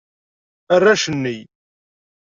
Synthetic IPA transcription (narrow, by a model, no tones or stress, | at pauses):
ərːaʃənːij